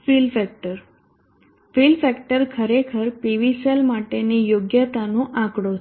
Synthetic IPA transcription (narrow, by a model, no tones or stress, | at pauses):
filfɛk̚ʈəɾ | filfɛkʈəɾkʰəɾekʰəɾpiʋiselmaʈenijoɡjət̪anõʔãkɽo